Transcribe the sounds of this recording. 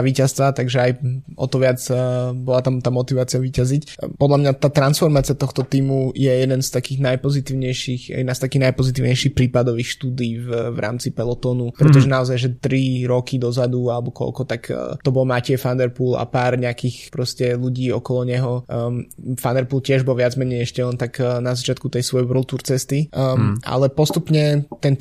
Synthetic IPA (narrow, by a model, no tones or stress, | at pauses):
aʋiːcast̪ʋat̪aɡʒɛajɔ̰t̪ɔʋɪad͡zbɔlat̪amt̪aːmɔt̪iʋaːt͡siaʋiːcazic | pɔd̪lamɲat̪aːt̪ɾansfɔɾmaːt͡siat̪ɔxt̪ɔt̪iːmujɛjɛd̪ɛnst̪akiːɣnajpɔzit̪iːʊɲɛjʃixj̰ʔɛd̪nast̪akiːɣnajpɔzit̪iːʊɲɛjʃixpɾiːpad̪ɔʋiːxʃt̪uːd̪iiːvʋɾa̰ːmt͡sipɛlɔt̪ɔːnupɾɛt̪ɔʒɛnaɔzajʒɛt̪ɾiɾɔkid̪ɔzad̪ualɛbɔkɔ̰lkɔt̪akːt̪ɔbɔlmacɪɛfand̪ɛɾpuːla̰paːɾɲɛakiːxpɾɔscɛluɟiːɔkɔlɔɲɛɦɔ | fand̪ɛɾpuːlcɪɛʒbɔlʋɪad͡zmɛɲɛjɛʃcɛlɛnt̪aknazat͡ʃɪat̪kut̪ɛjsʋɔjɛbɾɔlt̪uɾt͡sɛst̪iʔa̰lɛpɔst̪upɲɛt̪ɛn